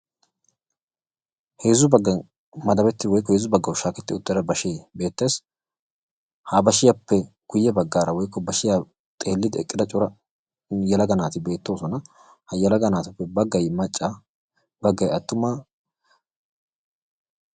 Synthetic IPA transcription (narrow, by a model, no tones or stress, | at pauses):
he̞ːzʊbɐɡːɐ | mɐd̪ɐbɛt̪ːɪwɔjkːɔheːzʊbɐɡːɐwʃaːkɛt̪ːɪʊt̪ːɛd̪ɐbɐʃeːbe̞ːt̪ːeːs | habɐʃɪjɐpːɛ | ɡ̥ʊjːɛbɐɡːaːɾɐwɔjkːɔbɐʃɪja | t̪ʼe̞ːlːɪd̪ɛ̰kʼːɪd̪ɐt͡ʃʼʊɾɐ | jɛlɐɡɐnaːt̪ɪbe̞ːt̪ːo̞ːsɔnɐ | hɐjɛlɐɡɐnaːt̪ɐpːɛbɐɡːɐjmɐt͡ʃʼːa | bɐɡːɐjɐt̪ːʊmaː